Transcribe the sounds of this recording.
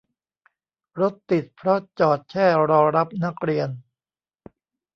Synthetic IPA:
ɾo˦˥t̪ːi˨˩t̪̚pʰɾɔ˦˥t͡ɕɔː˨˩t̪̚t͡ɕʰɛː˥˩ɾɔː˧ɾa˦˥p̚na˦˥k̚ɾi˧ən

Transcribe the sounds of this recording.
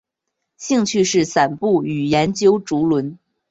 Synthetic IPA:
ɕi˥˧ŋt͡ɕʰy˥˧ʂɻ̩˥˩sa˨˩npu˥˩y˨˩jɛ˧˥nt͡ɕjo˥ʊʈ͡ʂu˧˥lwə˧˥n

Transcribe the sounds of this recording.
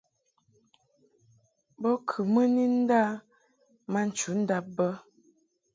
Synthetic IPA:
bɔ˦kʰʉ˨mə˦ni˦n̩˦da˦ | ma˦n̩˨t͡ʃu˨˦n̩˦da˦p̚bə˦

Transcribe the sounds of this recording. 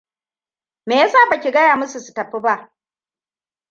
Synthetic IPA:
meː˨ja˦saː˦˨bɐ˦˨kʲi˨ɡɐ˦jaː˨mʊ˦su˨su˨tɐ˨ɸːi˦ba˦ʔ

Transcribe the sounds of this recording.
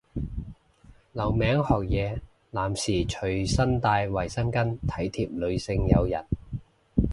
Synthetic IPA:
lɐ˨˩wmɛː˨˥ŋhɔː˨k̚jɛː˨˧ | laː˨˩msiː˨˩t͡ʃʰɵ˨˩ɥsɐ˥nt̪aː˧jwɐ˨˩jsɐ˥nkɐ˥nt̪ʰɐ˨˥jt̪ʰiː˨p̚lɵ˨˧ɥsɪ˧ŋjɐ˨˧wjɐ̰˨˩n

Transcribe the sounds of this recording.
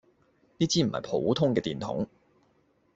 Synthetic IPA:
niː˥t͡siː˥m̩˨˩hɐ̰˨˩jpʰo̰˨˥wt̪ʰʊ˥ŋkɛː˧t̪iː˨nt̪ʰʊ̰˨˥ŋ

